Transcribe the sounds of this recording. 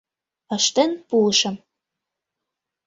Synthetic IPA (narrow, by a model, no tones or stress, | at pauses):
əʃt̪enpuəʃə̆m